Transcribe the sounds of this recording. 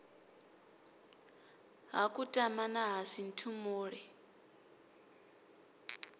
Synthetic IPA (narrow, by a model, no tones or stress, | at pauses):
ɦakʼutʼamanaɦasin̩tʰumuːɺɛ